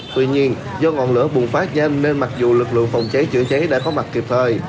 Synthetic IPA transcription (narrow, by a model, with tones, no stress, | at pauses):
t̪wḭ˧ɲi˧ən | zɔ˧ŋɔ̰˧˨nlɨ̰˧˥əɓu˨˩ŋfaː˦˥t̚ɲɛ˧nːe˧nma˨˩k̚zu˨˩lɨ˨˩k̚lɨ̰˧˨əŋfa˨˩wŋ͡mt͡ɕə˨˦jt͡ɕɨ̰˧˩ət͡ɕə˨˦jɗa̰ː˧˥kɔ˨˦ma˨˩t̚ki˨˩p̚t̪ʰəː˨˩j